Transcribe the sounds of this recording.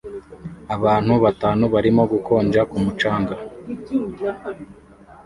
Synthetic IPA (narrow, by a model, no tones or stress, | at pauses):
aβaːn̥huβataːnuβaɾimo̞ɡukʰo̞ːnd͡ʒakumut͡ʃaːŋɡa